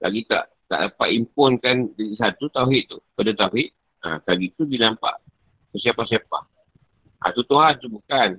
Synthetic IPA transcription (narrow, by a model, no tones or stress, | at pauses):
lʔa̰ɡit̪a̰ʔ | t̪a̰ʔapaʔimpʊnkandaisat̪ut̪auɦiʔt̪ukadat̪auɦɪʔ | a̰kaɡit̪udinampa̰ʔ | səsiapahsjapa̰h | ʔa̰t̪ut̪uɦant̪ubukan